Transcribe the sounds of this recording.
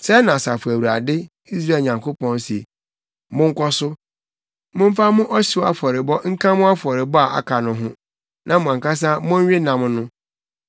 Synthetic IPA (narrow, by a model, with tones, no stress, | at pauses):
sɛ˦nã˨sa˨fu˨æ˨wu˨ɾa̰˨dɪ˦ | i˦s̬ɾa˦˨ɲã˨ŋkʰo˦pɔ̃˦nsi˨e˨ | mʊ̃˦ŋ̩˦kʰɔ˦sʊ˦ | mʊ̃˦m̩˦fa˦mʊ̃˦ʔɔ˦ɕi˦wa̰˨fɔ˨ɾɪ˨bɔ˦ŋ̩˦kʰã˦mʊ̃˦a˦fɔ˨ɾɪ˨bɔ˦a˨ʔa̰˨kʰa˨nʊ̃˨ɦʊ̃˦ | nʔã˦mʊ̃˨ã˨ŋ˨ka˦s̬a˦mʊ̃˦ɲ˦ɥɪ˦nã˨mnʊ̃˦